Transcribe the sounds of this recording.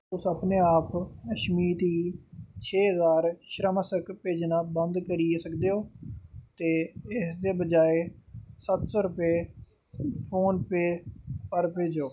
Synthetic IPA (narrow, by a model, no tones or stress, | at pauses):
ʊsəpneːaːpkəʃmiːt̪iːt͡ʃʰeːɦəzaːɾʃɾəməsəkpeːd͡ʒnaːbə̃nd̪kəɾiesəkd̪eːɦoːt̪eːɪsd̪eːbəd͡ʒaːesət̪soːɾʊpeː | pʰoːnpeːpəɾpeːd͡ʒoː